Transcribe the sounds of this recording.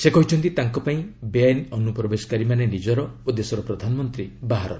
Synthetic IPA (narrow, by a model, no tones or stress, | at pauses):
sekɔɦit͡ʃʰɔnt̪it̪aŋkɔpaĩbeanɔnupɾɔbesɔ̥kaɾimanenid͡ʒɔɾɔod̪esɔɾɔpɾɔd̪ʱanɔmɔnt̪ɾibaɦaɾɔ̰ɾ